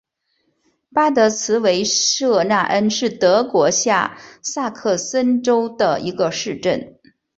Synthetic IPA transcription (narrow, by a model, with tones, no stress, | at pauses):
pa˥t̪ɤ˧˥t͡sʰɹ̩˧˥we˧˥ɪʂɤ˥˧na˥˩ʔə˥nʂɻ̩˥˩t̪ɤ˧˥kwɔ˧˥ɕja˥˩sa˥˧kʰɤ˥˩sə˥nʈ͡ʂo˥ʊd̪ə˨i˧˥ɡə˧ʂɻ̩˥˧ʈ͡ʂə˥˩n